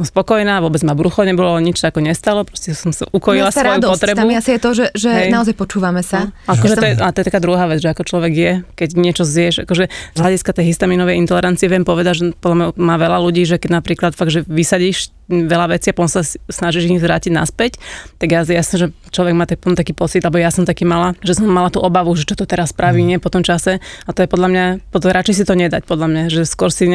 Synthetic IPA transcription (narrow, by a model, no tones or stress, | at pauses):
spɔkɔjnaːʋʊɔbɛd͡zmabɾuxɔɲɛbɔlɔɲit͡ʃt̪akɔɲɛst̪alɔpɾɔscɛsɔmsa̰ʔukɔjilasʋɔjupɔt̪ɾɛb̪t̪aumiasijɛt̪ɔʒɛʒɛɦɛjnaɔzajpɔt͡ʃuːʋamɛsaakɔʒɛt̪ɔɛat̪ɔjɛt̪akaːd̪ɾuɦaːʋɛd͡zʒɛakɔt͡ʃlɔʋɛɡjɛkɛɟɲɪɛt͡ʃɔzɪɛʃa̰kɔʒɛz̥ɦlaɟiskat̪ɛjɦist̪aminɔʋɛjint̪ɔlɛɾant͡siɛʋɪɛmpɔʋɛd̪aɟʒɛpɔt̪ɔmmaːʋɛlaluɟiːʒɛkɛɟnapɾiːklat̪faɡʒɛʋisaɟiːʃ | ʋɛlaʋɛt͡siapɔt̪ɔmsassnaʒiʒizʋɾaːciɟna̰spɛct̪aɡjasjasnɛʒɛ | t͡ʃlɔʋɛɡmaːt̪ak̚pɔt̪ɔmt̪akiːpɔt͡sid̪alɛbɔjasɔmt̪akiːmalaʒɛsɔmːalat̪ṵːʔɔbaʋuʒɛt͡ʃɔt̪ɔt̪ɛɾaspɾaʋiːɲɪɛpɔt̪ɔmt͡ʃasɛat̪ɔjɛpɔd̪lamɲapɔd̪ɾat͡ʃɛjs̬it̪ɔɲɛd̪acpɔd̪lamɲaʒɛskwɔɾsi